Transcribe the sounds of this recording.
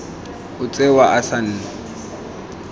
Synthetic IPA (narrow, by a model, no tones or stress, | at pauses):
ʊt͡sʼewaʔasan̩ːna